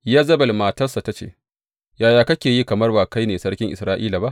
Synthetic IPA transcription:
jaː˦zɐ˦bɐ˨lmaː˨tɐ˦rsa˨ta˦t͡ʃḛː˦ | jaː˨jaː˨kɐ˦kʲeː˨jiː˦kɐ˨mɐ˦rbaː˨ka˦jneː˨sɐ˦rkʲɪ˦ŋʔɪ̰˨sɾaː˦ʔiː˦laː˨ba˦ʔ

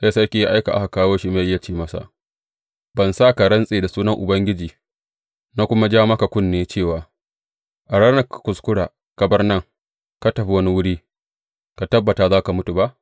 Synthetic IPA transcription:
ʔa˦sɐ˦kʲi˦ji˦ʔa˦jka˨ʔa˦ha˨kaː˦woː˦ʃi˦ma˨ʔɪ˦ja˨t͡ʃeː˦mɐ˦sa̰˨ʔ | bɐ˨nsa˦˨ka˨ɽɐ˦nsʼeː˨da˨suː˦nɐ˦ŋʔʊ̰˨bɐ˦ŋɡʲɪ˦d͡ʒiː˨ | naː˦kʷʊ˦ma˦d͡ʒaː˦ma˦ka˨kʷʊ˦˨nːeː˨˦t͡ʃeː˦˨waː˨ | ʔa˨ɽaː˦nɐ˦kkʷʊ˨skʷʊ˦ɽaː˨ | kɐ˨bɐ˦rnɐ˦˨ŋ | ka˦tɐ˨ɸi˦wɐ˦ni˦wʊ˦ɽiː˦ | ka˨tɐ˦bːɐ˨taː˨zaː˦ka˨mʊ˦tu˨ba˦ʔ

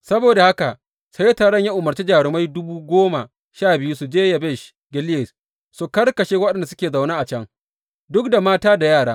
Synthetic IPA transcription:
sɐ˦boː˨da˨ha˦ka˨ | sa˦jtaː˨ɽɐ˦ɲja˦ʔʊ˨mɐ˨rt͡ʃi˦d͡ʒaː˨ɽɪ˨ma˦jdʊ˦buː˦ɡʷoː˦ma˨ | ʃaː˦˨bɪ˨ju˦su˨d͡ʒeː˦ja˨bɛ˦˨ʃ | ɡʲɪ˦ljɪ˨s | su˨kɐ˦rkɐ˨ʃeː˦wɐ˦ɗɛ˨nda˨sʊ˦kʲeː˨za˨wnaː˦ʔa˨t͡ʃɐ˦ŋ | dʊ˦k̚da˨maː˦taː˦da˨jaː˦˨ɽaː˦

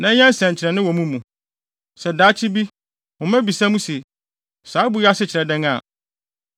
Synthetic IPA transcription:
nã˨˦ɲã˦n˦sɛ̃˨ɲ˨t͡ɕʰɪ˨ɾɛ˨nɪ̃˦wɔ˨mũ˦mũ˨ | sɛ˨daː˨˦t͡ɕʰɪ˦bi˦ | hʊ̃˨mɛ̃˦bi˨sã˦mũ˦se˨ | saː˨˦bu˨˦ja˦sɪ˦t͡ɕʰɪ˨ɾɛ˨dɛ̃˦ŋa˨

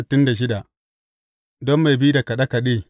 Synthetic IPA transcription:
tːɪ˦nda˨ʃ̬ɪ˦da˨ʔ | dɔ˦mːa˨jbi˦da˨ka˨ɗa˦ka˨ɗe˦˨

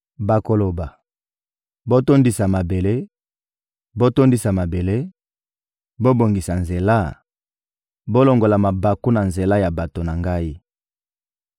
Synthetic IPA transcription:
ba˨ko˨lo˨ba˨ | bo˦to˦ndi˨sa˨ma˨be˨le˦ | bo˦to˦ndi˦sa˨ma˨be˨le˦ | bo˦bo˨ŋɡi˨sa˨nze˨la˦ | bo˦lo˨ŋɡo˨la˨ma˨ba˨ku˦na˨nze˨la˦ja˨ba˨to˨na˨ŋɡa˦i˦

